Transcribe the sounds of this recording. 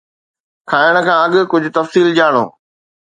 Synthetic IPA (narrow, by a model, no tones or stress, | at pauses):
kʰaːjəɽ̃ə̆kʰãːɐɠ̆kʊd͡ʑʱʊt̪ɐfsiːld͡ʑaːɽ̃o̰ː